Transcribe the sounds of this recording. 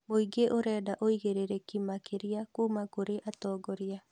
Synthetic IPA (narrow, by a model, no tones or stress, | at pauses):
moiɡeʔoɾɛːdaʔoiɣeɾeɾekimakeɾiakuːmakoɾeʔatɔːɡɔɾia